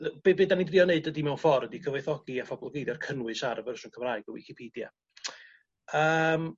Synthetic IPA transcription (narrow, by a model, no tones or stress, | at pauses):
b̥ebɨːdanidriɔneɨdədimɛwnfɔrədikʰəvɛjθɔɡiapʰɔbɔlˠɡejdjɔrkʰənwɨsaɾəvərəsʊnkʰəmraɨɡɔwɪkʰipʰiːdja̰ | əːm